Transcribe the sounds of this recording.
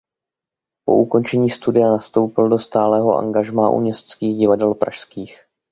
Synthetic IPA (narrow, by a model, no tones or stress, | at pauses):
po̞̰ʔuko̞nt͡ʃɛɲiːst̪udɪjanast̪o̞wpɪldo̞st̪aːlɛːɦo̞̰ʔa̰ŋɡaʒmaːʔṵmɲɛst̪t͡skiːɣɟɪvadɛlpɾʔa̰ʃskiːx